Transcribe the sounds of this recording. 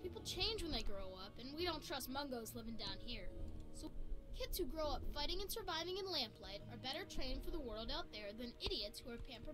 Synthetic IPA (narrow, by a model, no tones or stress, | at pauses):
pʰipl̩ˠt͡ʃʰẽɪ̃nd͡ʒwə̃nðeɪɡɹoʊʌpɨ̃nwiɾõʊ̃ntʰɹ̥ʌst̚mʌ̃ŋɡoʊzlɪvɪ̃ŋdãʊ̃nhiɹsoʊkʰɪdshuɡɹoʊʌpfaɪɾɪ̃ŋɨ̃nsə˞vaɪvɪ̃ŋɨ̃nlæ̃mpʰlaɪɾə˞bɛɾə˞tʰɹ̥ẽɪ̃n̥fə˞ðəwɜ˞lˠdaʊt̪̚ðə˞ðɨ̃nɪɾiɨtshuə˞pʰæ̃mpə˞